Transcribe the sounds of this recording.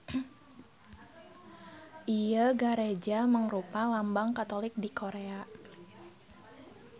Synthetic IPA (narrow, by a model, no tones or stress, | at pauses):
ʔijəɡaɾed͡ʒaməŋrupalambaŋkat̪olɪk̚dikʰoɾea